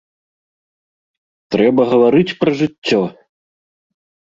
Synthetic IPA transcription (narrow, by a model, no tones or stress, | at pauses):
t̪ɾɛbɐɣɐvaɾɨt͡sʲpɾɐʐɨt͡sʲːɔ